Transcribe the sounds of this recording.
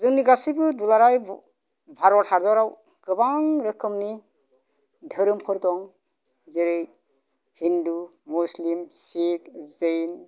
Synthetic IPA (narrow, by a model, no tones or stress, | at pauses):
zɯŋniɡasibɯdulaɾaj | bʱaɾɔthaɾdɔɾaw | kɯbaŋɾɯkʰɯmni | dʱɯɾɯmkʰɯɾtɔŋ | zɯɾɯj | hindumuslimsik̚zɯjn